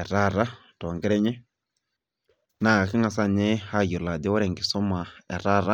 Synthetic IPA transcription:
ɛ˨ɾa˦ɾa˦ | tɔ˨ŋɡɛ˦ɾɛ˦ɲɛ˦ | na˨ki˦ŋa˨sa˦ɲɛ˦ha˦˨jo˨la˨dɔ˦wɔ˦ɾɛ˨ŋɡi˨sɔ˦ma˨ɛ̰˨ɾa˦ɾa˦

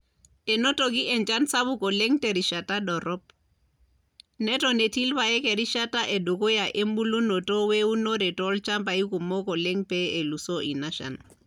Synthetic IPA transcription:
ɛ˨nɔ˦tɔ˨ki˦ʔɛ˨ɲt͡ʃa˦nsa˦βu˦kɔ˨lɛ˦ŋtɛ˨ɾi˨ʃa˨tadɔ˨ɾɔ˦p̚ | nɛ˦tɔ˨ne˨ti˦lβa˨jɛ˦kɛ˨ɾi˦ʃa˦ta˦ʔɛ˨du˨ko˦ja˨ʔe˦mbu˦lu˦nɔ˨tɔ˦wɛ˦u˦nɔ˦ɾɛ˨tɔ˦lt͡ʃa˦mba˨i˦ku˨mɔ˦kɔ˨lɛ˦ŋpɛ˦e˨lu˨sɔ˦ʔi˨naʃa̰˨n

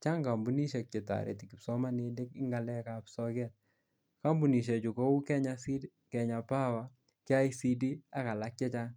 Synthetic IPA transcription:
t͡ʃa˦ŋɡa˨mbu˨˦ni˦ʃɛ˨k̚t͡ʃɛ˨ta̰˨ɾḛ˨tiki˨psɔ˦ma˦ne˨de˦kɪ˦ŋɡa˨lɛ˦ka˨psɔ˦kɛ˦t̚ | ka˦mbu˨ni˨ʃ̬ɛ˨t͡ʃu˨kɔ˦u˦kɛ˦ɲasi | kɛ˨ɲa˨pa˦wa˨ | kɪ˦a˦isi˦di˦a˦ka˨la˦k̚t͡ʃɛ˦t͡ʃa˦ŋ

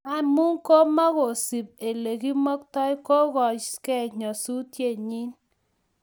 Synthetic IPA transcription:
a˨mu˦ŋ̩˦ko˦mɔ˦ɣo˨si˨p̚e˨le˨ki˦mo˦k̚tɔ˦i˦ko˦ɣɔ˨ke˦˨ɲɔ˨su˦tje˦˨ɲi˦n

